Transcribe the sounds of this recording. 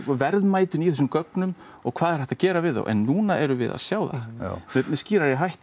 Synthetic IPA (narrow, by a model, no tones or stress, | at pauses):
vɛɾðmaːjt̪ʏniθɛs̬ːʏmkœknʏm | ɔ̰ɣkʰvaːðɛɾ̥ɛht̪aðcɛːɾavɪða̰wʔɛ̰nːuːnaʔɛɾʏvɪ̰ða̰ðsjaːwða̰mɛmɛsciːɾaɾjɛɦajht̪